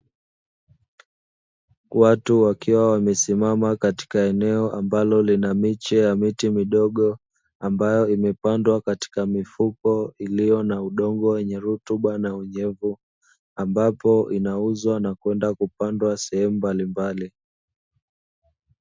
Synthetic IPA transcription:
watuwakiwawamɛsimamakati̥kaɛnɛɔʔambalɔlinamit͡ʃɛjamitimiɗɔɠɔ | ambajɔimɛpandwakati̥kamifukɔilijɔnauɗɔŋɡɔwɛɲɛɾutuɓanauɲɛvu | ambapɔʔinauzwanakwɛndakupandwasɛhɛmumbalimbali

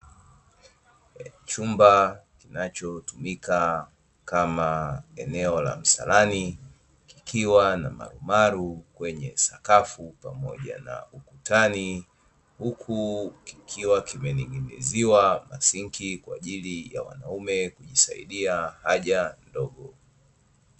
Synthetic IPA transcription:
t͡ʃumbakinat͡ʃɔtumika | kamaɛnɛɔla̰m̩sa̰lani | ki̥kʰiwanama̰ɾumaɾukwɛɲɛsakafupamɔ̰ʄa̰na̰ukutani | hukʰuki̥kʰiwakimɛniŋɡinḭziwamasiŋkʰikwa̰ːʄilija̰wa̰naumɛkuʄisaḭɗiahaʄandɔɠɔ

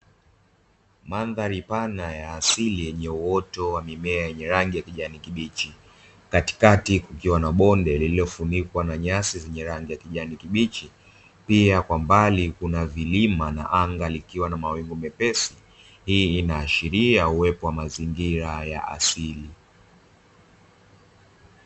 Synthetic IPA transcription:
manðaɾipanajaːsilijɛɲɛuɔtɔwamimɛajɛɲɛɾaŋɡijakiʄanikiɓit͡ʃi | kati̥katikukiwanaɓɔndɛlililɔfunikwanaɲasizɛɲɛɾaŋɡijakiʄanikiɓit͡ʃi | piakwambalikunavilimana̰ʔaŋɡalikiwanamawiŋɡumɛpɛsi | hiːnaːʃiɾiauwɛpɔwamaziŋɡiɾaja̰ʔa̰sili

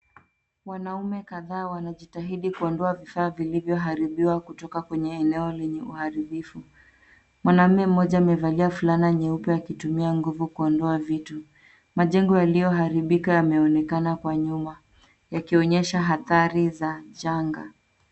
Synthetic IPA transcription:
wanaumɛkaðaːwanaʄitaɦiɗikuɔndɔavifaːvilivjɔɦaɾiɓiwakutɔkakwɛɲɛːnɛɔlɛɲɛuhaɾiɓifu | mwanam̩mɛm̩ːɔʄaːmɛvaliafulaniaɲɛupɔjakitumiaŋɡuvukuɔndɔavitu | maʄɛŋɡɔjalijɔɦaɾiɓikajamɛɔnɛkanakwaɲuma | jakiɔɲɛʃaɦaθaɾizaʄaŋɡa̰

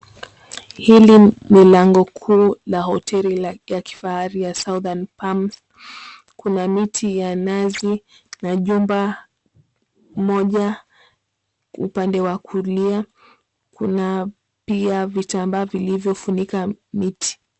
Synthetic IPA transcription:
hilinilaŋɡɔkʰuːlahɔtʰɛlijaki̥fahaɾijasauðanpams | kunamitʰijanazi | naʄumba | mɔʄa | ṵpandɛwakʰulia | kuna | piavitambaːvilivjɔfunikamitʰi̥

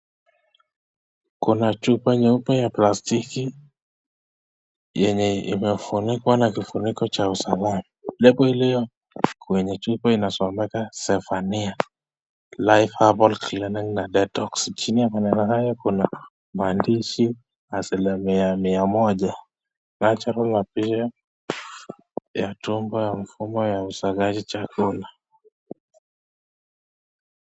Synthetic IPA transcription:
kunat͡ʃupɛɲɛupɛjaplastiki | jɛɲɛḭmɛfunikwanakifunikɔt͡ʃausalamalɛɓɔhilijɔ | kwɛɲɛt͡ʃupɛinasɔmɛkasɛfania | lajfhabɔlkilɛniŋnadɛtɔkst͡ʃiniakanɛnahajakuna | mandiʃi | asɛlɛmiamiamɔd͡ʒa | nat͡ʃaɾulnapiʃɔ | jatumbɔjaɱfumɔjausaɡad͡ʒit͡ʃakula

